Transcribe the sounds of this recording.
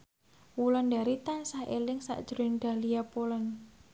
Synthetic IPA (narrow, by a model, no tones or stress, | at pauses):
wulɔndaɾit̪ansahʔelɪŋsa̰ʔd̥ʒ̥ɾoɪŋɖ̪̥a̤lijapolɔn